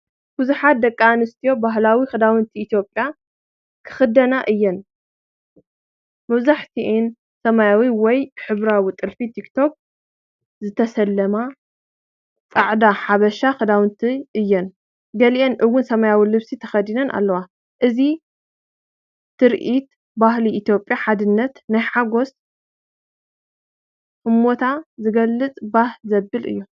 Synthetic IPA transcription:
b̥uzuħat̪̚d̪ɐkʼːanɨst̪ʰijo̞baɦlawixɨd̪awɨnt̪ʰiːt̪ʰjo̞pʼja | kʰɨ̥xɨd̪ɐnaʔɨjːɐn | mɐβzaħt̪ʰiʔin | sɐmajawiwɔjħɨβɾawit̪ʼɨlfit̪ʰikt̪ʰo̞k̚ | zɨt̪ʰɐsɐlːɐma | t͡sʼaʕd̪aħaβɐʃaxɨd̪awɨnt̪ʰiʔɨjːɛn | ɡɐlʔenʔɨwːʊnsɐmajawilɨβsit̪ʰɐxɐd̪inɐnʔa̰lːɐwa | ʔɨzi | t̪ːɨɾʔit̪ | bahliit̪jo̞pʼjaħad̪ɨnːɐt̪najħaɡo̞s | ʔɨmːo̞t̪ʰazɨɡɐlːɨt͡sʼbahzɐbːɨlʔɨ̰jːu

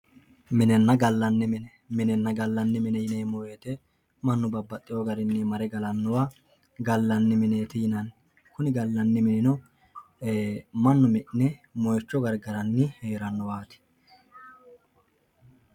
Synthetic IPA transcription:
mɪnɛnːɐɡɐlːɐnːɪmɪnɛ | mɪnɛnːɐɡɐlːɐnːɪmɪnɛjɪneːmɔjet̪ɛ | mɐnːʊbɐbːɐt̪ʼːɪjoɡɐɾɪnːɪmɐɾɛɡɐlɐnːɔwa | ɡɐlːɐnːɪmɪneːt̪ɛjɪnɐn | kʊnɪɡɐlːɐnːɪmɪnɪnɔ | mɐnːʊmɪʔnɛmɔjt͡ʃːɔɡɐɾɡɐɾɐnːɪheːɾɐnːɔwaːt̪ɪ̥

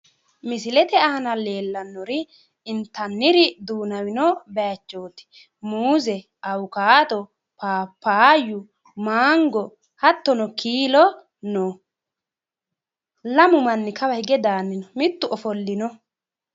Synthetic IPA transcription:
mɪsɪlɛt̪ɛɐɐnɐleːlːɐnːɔɾɪ | ɪnt̪ɐnːɪɾɪd̪uːnɐwɪnɔbɛat͡ʃːoːt̪ɪ̥ | muːzɛ | ʔɐwʊkaːt̪ɔ | paːpːaːjʊ | maːŋɡɔ | hɐt̪ːɔnɔkiːlɔ | nɔ | lɐmʊmɐnːɪkʰɐwɐhɪɡɛd̪aːnːɪnɔmɪt̪ːʊɔfɔlːɪnɔ

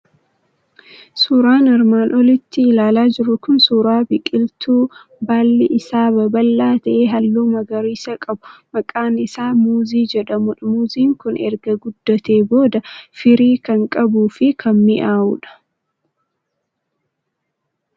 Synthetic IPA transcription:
suːɾaːnɪɾmaːnʔɔlɪt̪ːɪːlaːlaːd͡ʒɪɾʊkʊnsuːɾaːbɪkʼɪlt̪uː | baːlːɪʔɪsaːbɐbɐlːaːt̪ɐʔeːɦɐlːuːmɐɡɐɾiːsɐkʼɐbʊmɐkʼaːnɪsaːmuːziːd͡ʒɛᶑɐmʊᶑɐmuːziːŋkʊnɛ̰ɾɡɐɡʊd̪ːɔt̪e̞ːbo̞ːd̪ɐfɪɾiːkɐŋkʼɐbuːfɪkʰɐnmɪʔaːʔuːᶑɐ̥

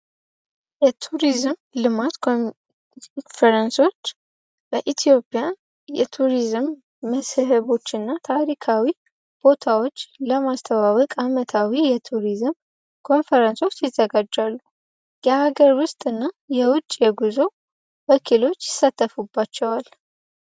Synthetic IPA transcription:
jɛt̪ʰuɾizmlɨmat̪kʰo | fəɾənso̞t͡ʃː | bəʔit̪ʰijo̞pʼija | jɛt̪ʰuɾizɨmː | əshhəβo̞t͡ʃːɨnːat̪ʰaɾikʰawi | b̥o̞t̪ʰawo̞t͡ʃːləmast̪ʰəβaβəkʼamət̪ʰawijɛt̪ʰuɾizɨm | kʰo̞nfəɾənso̞t͡ʃːjɪzːəɡad͡ʒːalːu | jɛhaɡəɾwʊst̪ʼɨnːajɛwʊt͡ʃʼjɛɡuzo̞ | bəkʰilo̞t͡ʃːjɪsːat̪ʰːəfubːat͡ʃːɛwal

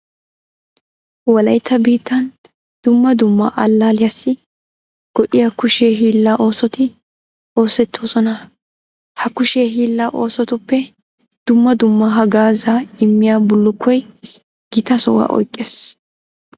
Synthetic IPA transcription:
wɐlɐjt̪ʰːɐbiːt̪ːɐn | d̪̥ʊmːɐd̪ʊmːɐ̰ʔɐlːaːlɪjɐsːɪ | ɡ̥ɔʔɪjakʊʃeːɦiːlːaʔo̞ːsɔt̪ɪ | o̞ːsɛt̪ːoːsɔnɐ | hɐkʊʃeːɦiːlːaːʔo̞ːsɔt̪ʊpːɛ | d̪̥ʊmːɐd̪ʊmːɐɦɐɡaːzaɪmːɪjaːbʊlːʊkʰːɔj | ɡ̥ɪt̪ɐsɔwa̰ːʔɔ̰jkʼːeːs

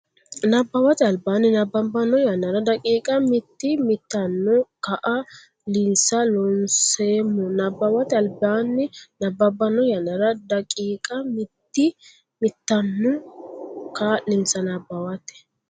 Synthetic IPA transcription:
nɐbːɐwɐt̪ɛɐlbaːnːɪnɐbːɐbɐnːɔjɐnːɐɾɐd̪ɐkʼiːkʼɐmɪt̪ːɪmɪt̪ːɐnːʊkɐʔɐ | lɪnsɐlɔnseːmːɔnɐbːɐwɐt̪ɛɐlbaːnːɪnɐbːɐbːɐnːɔjɐnːɐɾɐd̪ɐkʼiːkʼɐmɪt̪ːɪ | mɪt̪ːɐnːʊ | kanɪmsɐnɐbːɐwɐt̪ɛ̥

